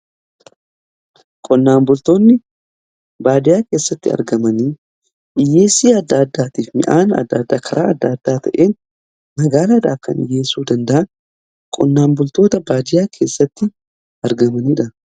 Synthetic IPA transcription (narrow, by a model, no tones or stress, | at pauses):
kʼɔnːaːmbʊlt̪oːnːɪ | baːd̪ɪjaːke̞ːsːɐt̪ːɪɐ̰ɾɡɐmɐniː | ʔɪjːeːsiːɐd̪ːad̪ːaːt̪iːfmɪ̰ʔaːnɐ̰d̪ːɐd̪ːaːkʰɐɾʔa̰ːɐd̪ːɐɐd̪ːaːt̪ʰɐ̰ʔe̞ːn | mɐɡaːlaᶑ̪aːkɐ̰nɪ̰jeːsuːd̪ɐnd̪ɐʔɐn | kʼɔ̰nːaːmbʊlt̪o̞ːt̪ɐbaːd̪ɪjaːkʰe̞ːsːɐt̪ːɪ | ɐɾɡɐmɐniːᶑɐ